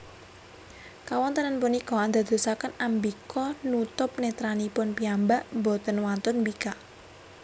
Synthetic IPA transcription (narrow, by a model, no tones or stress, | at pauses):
kawɔnt̪ənənpunikɔand̪a̤d̪̥o̤sakənambikɔnut̪ʊp̚net̪ɾanipʊnpiambaʔmbot̪ənwant̪ʊnbikaʔ